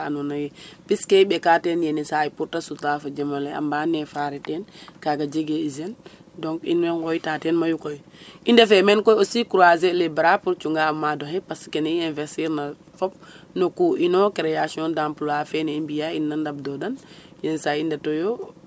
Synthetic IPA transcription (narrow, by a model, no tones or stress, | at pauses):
anunajɛpiskɛɓɛkaːtɛnjɛnisaipuɾtasutafad͡ʒɛmalɛa̰mbanɛfaɾɛtɛnkaɡad͡ʒeɡeizɛn | dɔŋkḭnwɛnkɔjitaːtɛnmajukɔjindafɛmɛnkɔjosikuɾazɛlebɾapuɾt͡ʃuŋɡamadɔhɛpaskɛniɛ̃nvɛsiɾna | fɔp̚ | nokuʔinɔkɛɾɛjasiɔndampulafɛneimbijainːandab̚dɔdanjɛnisajindatɔjɔ